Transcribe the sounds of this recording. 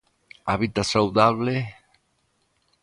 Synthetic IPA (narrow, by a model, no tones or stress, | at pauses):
aβit̪asawðaβle